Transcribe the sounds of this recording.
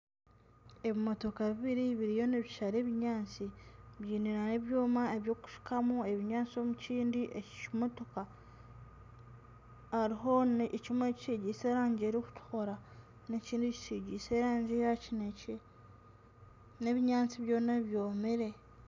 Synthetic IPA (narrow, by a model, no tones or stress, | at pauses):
e̞βimo̞to̞kaβiβiɾiβiɾijo̞neβiʃaɾe̞βiɲaːnt͡siβjiːniɾaneβjoːmae̞βjo̞ːku̥ʃi̥kamue̞βiɲaːt͡so̞muciːndiʔecimo̞to̞ka | haɾiɦo̞ncimwe̞ciʃiɟiːse̞ːɾaːɲɟeːɾiku̥tu̥xo̞ɾa | ne̞ciːndici̥siɟiːse̞ːɾaːɲɟejacinece | ne̞βiɲaːnt͡siβjo̞ːnaβjoːmiɾe̞